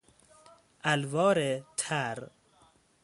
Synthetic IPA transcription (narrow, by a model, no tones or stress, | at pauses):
ʔælvɒːɾet̪ʰæɾ